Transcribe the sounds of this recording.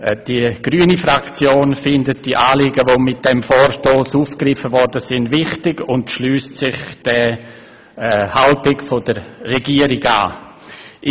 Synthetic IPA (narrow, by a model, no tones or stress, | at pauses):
d̥iɡ̥ɾyːənifɾakt͡sjoːnfɪndət̚d̥iʔaːlɪɡəvomɪt̚d̥ɛmfɔːɾʃtoːsuːfkrɪfəvɔɾdəsɪndvɪχtɪɡʊntʃlyːstsɪχd̥ɛ | haltɪkfod̥əɾːɛɡiəɾɪɡa̰ː